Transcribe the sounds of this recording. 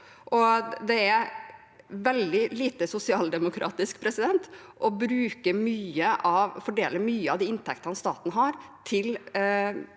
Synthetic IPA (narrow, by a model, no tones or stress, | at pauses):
ʔɔd̪ɛæ | ʋɛld̪ɪliːt̪əsʊsɪɑːld̪ɛmʊkʰɾʔɑ̰ːt̪ɪskpʰɾɛsɪd̪ɛnt̪ | ʔɔbɾʉːkəɾmyːəʔɑʋfɔɖeːləmyːəɑʋd̪iːɪnt̪ʰɛk̚t̪əhɑnst̪ɑːt̪nəɦɑːɾt̪ʰɪl